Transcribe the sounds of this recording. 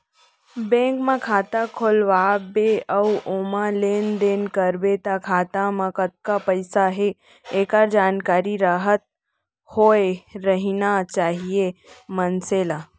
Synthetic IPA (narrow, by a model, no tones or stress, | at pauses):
bẽːŋkmãkʰaːt̪akʰolʋaːbeəwomãleːnd̪eːnkəɾbet̪akʰaːt̪amãkət̪̚kapəɪsaɦe | eːkaɾd͡ʒaːnkaːɾiɾaːɦət̪̚ | hoːeɾəɦinat͡ʃaːɦijemənseːla